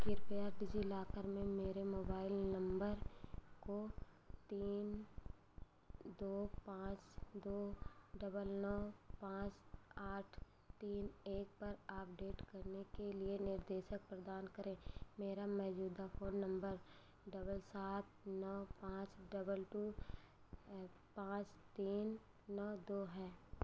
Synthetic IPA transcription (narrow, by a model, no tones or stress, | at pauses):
kɪɾpijaːɾʈid͡ʒilaːkəɾmẽmeːɾemoːbaːɪlnɐ̃mbəɾko | t̪iːn | d̪oːpãːt͡ʃd̪oːɖɐbəlnɔːpãːt͡ʃaːʈʰ | t̪iːneːk̚pɐɾaːp̚ɖeːʈkɐɾnekelienɪɾd̪eːʃək̚pɾəd̪aːnkəɾẽːmeːɾamɛɦd͡ʒuːd̪apʰoːnːə̃mbəɾ | ɖɐbəlsaːt̪̚ʰnɔːpãːt͡ʃɖɐbəlʈuː | pãːt͡ʃt̪iːnː | ɔːd̪oːɦɛː